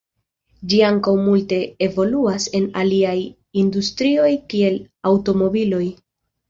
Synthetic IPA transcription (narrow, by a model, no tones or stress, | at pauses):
d͡ʒiaŋkawmulte̞evo̞luase̞naliaj | industɾio̞jkie̞l | awto̞mo̞bilo̞j